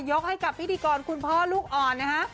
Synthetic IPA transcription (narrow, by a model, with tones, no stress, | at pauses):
jo˦˥k̚ha˥˩jka˨˩p̚ʰːt̪ʰiː˧kɔː˧nkʰu˧npʰɔː˥˩luː˥˩k̚ʔɔː˨˩nnːa˦˥kʰa˦˥ʔ